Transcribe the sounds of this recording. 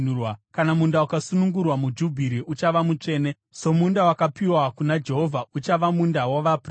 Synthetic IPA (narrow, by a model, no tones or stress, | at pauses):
wakanamundaukasunuŋɡurwamud͡ʒubʱiɾiʔut͡ʃaʋamut͡ʂe̞ːne | so̞mundawakapiwakunad͡ʒe̞ɦo̞vʱaut͡ʃaʋamundawaʋapr